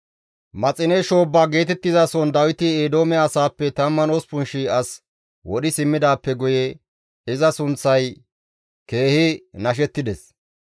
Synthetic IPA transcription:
mɐt͡sʼɪnɛʃo̞ːbːaːɡe̞ːt̪ɛt̪ːɪzasɔnd̪ɐwɪt̪ɪeːd̪o̞ːmɛɐsaːpːɛt̪ɐmːɐnoːspʊnʃiɐs | wɔɗɪsɪmːɪd̪aːpːɛɡʊjɛ | ɪzɐsʊnt͡sːɐj | ke̞ːhɪnɐʃ̬ɛt̪ːɪd̪ɛs

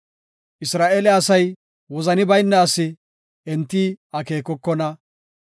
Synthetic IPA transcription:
ʔɪsɾaːʔelɛɐsɐj | wɔzɐnɪbɐjnːɛɐsɪ | ɛnt̪ːiːɐke̞ːkɔkːɔnɐ

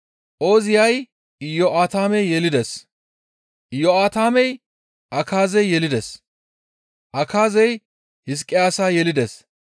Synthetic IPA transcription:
ʔo̞ːzɪjɐj | jɔʔaːt̪aːmɛjjɛlɪd̪ɛs | jɔaːt̪aːmɛj | ʔɐkaːzɛjːɛlɪd̪ɛs | ʔɐkʰaːzɛj | hɪs̬kʼːɪjaːsaːjɛlɪd̪ɛs

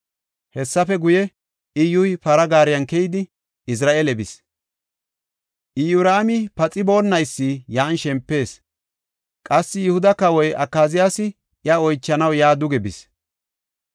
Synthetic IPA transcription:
hɛsːɐfɛɡʊjɛ | ʔɪjʊjpɐɾɐɡaːɾɪjɐnkɛjɪd̪ɪ | ɪs̬ɾaːʔeːlɛbɪs | ʔɪjʊɾaːmɪpɐt͡sʼɪbo̞ːnːɐjsːɪjaːnʃɛmpːe̞ːs | kʼɐsːɪjʊhʊd̪ɐkɐwɔjɐkːaːzɪjasɪ | ʔɪɐɔjt͡ʃːɐnɐwjaːd̪ʊɡɛbɪs

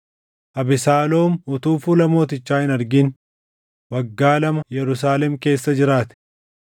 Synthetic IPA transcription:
ʔɐbɪsaːloːmʊt̪uːfuːlɐmoːt̪ɪt͡ʃːaːhɪnɐɾɡɪn | wɐɡːaːlɐmɐjɛɾʊs̬aːlɛmke̞ːsːɐd͡ʒɪɾaːt̪ɪ̥

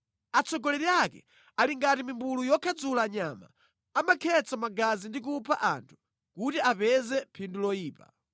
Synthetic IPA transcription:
at͡sɔɡɔlɛɾiakɛ̰ | aliŋɡatimimbulujɔkʰad͡zulaːɲama̰ | amakʰɛt͡samaɡazindik̬upʰa̰ʔa̰ntʰu̥ | kutiapɛzɛpʰindulɔiːpa̰

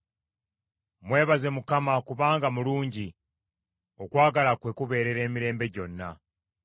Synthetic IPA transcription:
mwe̞ːβaze̞mukamakuβaːŋɡamuluːɲɟi | o̞kwaːɡalakwe̞kuβe̞ːɾe̞ɾe̞ːmiɾe̞ːmbe̞ɟo̞nːa

